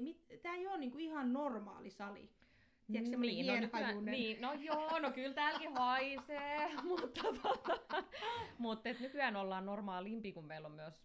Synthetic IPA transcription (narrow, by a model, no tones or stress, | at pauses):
mit̪t̪æːijoːnniːŋkuihɑnnormɑ̰ːlisɑlḭ | tiæksemːoiːonykɑjuneniːnojoːnokylt̪æːlkiʋɑisemut̪ːɑt̪ot̪ɑ | mut̪ːet̪nykyæːnolːɑːnnormɑːlimpiːkummeilommyøs